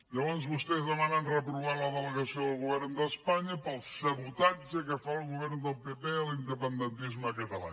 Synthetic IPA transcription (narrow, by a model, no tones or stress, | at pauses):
ɐõnzβuʃt̪ejzɐmãnɐ̃nrɐpɾuβaɾ̃ɐðəlˠəɣɐsiɐ̃ɐɣuβeɾnuðɐʃpaɲɐpɐlˠsɐβut̪aɾk̪zɛkɐfalˠuɣuβeɾnuðopepelˠĩnd̪əpẽnd̪ẽnt̪iʒmɐkɐt̪ɐlˠa̰